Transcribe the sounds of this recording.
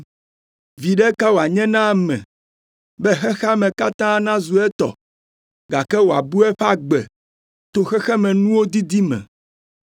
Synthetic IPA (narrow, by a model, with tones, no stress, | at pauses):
vi˨ɖɛ˦ka˦wo˨a˨ɲɛ̃˦nã˦mɛ̰̃˨ | bɛ˦xɛ˦xa˦mɛ̃˨ka˦t̪ã˦nã˦zu˨ɛ˦t̪ɔ̰˨ | ɡa˨kɛ˦wo˨a̰˨bu˦ɛ˦ɸa˦ɡ͡bɛ̰˨ | t̪o˦xɛ˦xɛ˦mɛ̃˨nũ˦wo˦d̪i˦d̪i˦mɛ̰̃˨